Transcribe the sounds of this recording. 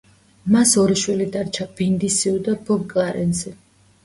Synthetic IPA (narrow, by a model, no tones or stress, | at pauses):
masɔɾiʃwilid̪aɾt͡ʃʰab̥ind̪isiud̪abɔɡɡʼaɾɛ̰nzɛ